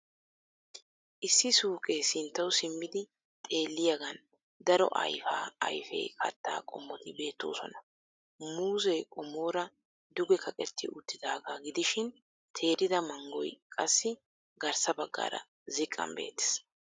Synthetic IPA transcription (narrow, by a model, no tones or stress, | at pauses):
ʔɪsːɪsuːkʼeːsɪnt̪ːɐwsɪmːɪd̪ɪ | t̪ʼe̞ːlːɪjɐɡɐn | d̪ɐɾɔ̰ʔɐ̰jfaːɐ̰jfɛ̰jkʰɐ̰t̪ːa̰ːkʼɔ̰mːɔt̪ɪbe̞ːt̪ːo̰ːsɔ̰nɐ | muːzɛjkʼɔmːo̞ːɾɐ | d̪ʊɡɛkʰɐkʼɛt̪ːɪʔʊt̪ːɪd̪aːɡaːɡɪd̪ɪʃɪn | t̪ʰe̞ːɾɪd̪ɐmɐŋɡɔ̰jkʼɐsːɪ | ɡɐɾsɐbɐɡːa̰ːɾɐ̰ | zɪkʼːɐ̰mbe̞̰ːt̪ːɛ̥s